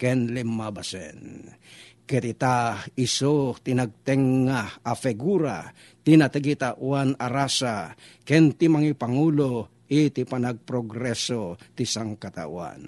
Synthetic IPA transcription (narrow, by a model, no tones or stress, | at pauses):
kɛnlimːabasɛ̰n | kɛt̪it̪aisot̪inaɡ̚t̪ɛŋːahafɛɡuɾa̰ | t̪inat̪ɛɡit̪aʔwanaɾasakɛnt̪imaŋipaŋulo | it̪ipanaɡ̚pɾoɡɾɛsot̪isaŋkat̪a̰ʔwa̰n